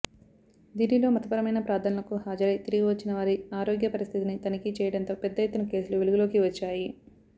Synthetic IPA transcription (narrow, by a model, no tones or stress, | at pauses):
d̪iːnilo̞ːmɐt̪ɐpɐɾɐmɐjnɐpɾaːd̪ʱɐnɐlɐkuhaːd͡ʒɐɾɐjt̪iɾuɡuʋɐt͡ʃːinɐʋaːɾiaːɾoːɡjɐpɐɾist̪ʰit̪init̪ɐnikit͡ʃɛːjɐɽɐnt̪o̞ːpɛd̪ːɐjet̪ːunɐke̞ːsuluʋeluɡulo̞ːkiʋɐt͡ʃːaːji